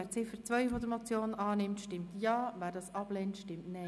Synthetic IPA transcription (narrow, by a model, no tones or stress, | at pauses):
æːɾt͡sɪfəɾt͡sʋœʏfɔdəɾmɔt͡sjoːnɑːnɪmtʃtɪmttjɑːvæːɾdɑːsʔɑb̥lɛntʃtɪmtnɛ